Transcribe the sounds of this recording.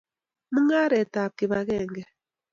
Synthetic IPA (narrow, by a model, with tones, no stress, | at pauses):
mɨ˦ŋa˦ɾɛ˨ta˨p̚ki˨βa˨ɣɛ˦˨ŋɡɛ˦